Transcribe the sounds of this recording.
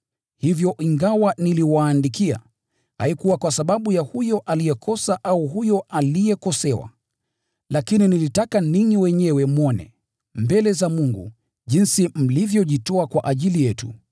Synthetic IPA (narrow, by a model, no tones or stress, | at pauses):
hivjɔʔiŋɡawaniliwaːndikia̰ | ha̰ikuwakwasaɓaɓujahujɔʔalijɛkʰɔsaʔauhujɔʔalijɛkɔsɛwa̰ | lakininilitakaniɲiwɛɲɛwɛmɔnɛ̰ | mbɛlɛzamuŋɡṵ | ʄinsim̩livjɔʄitɔakwaʔaʄilijɛtu